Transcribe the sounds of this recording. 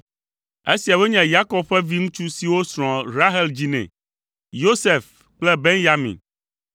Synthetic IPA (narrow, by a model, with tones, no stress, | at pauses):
e˦si˨a˨we˦ɲɛ̃˨ja˦kɔ˦b̚ɸɛ˦vi˦ŋũ˦t͡ʃu˦si˨wo˦sɾ̃ɔ̃˨ɾa˦ɦɛ˦ld͡ʑi˦nɛ̰̃˨ | jo˦se˨f | k͡plɛ˦be˦ŋja˦mḭ̃˨n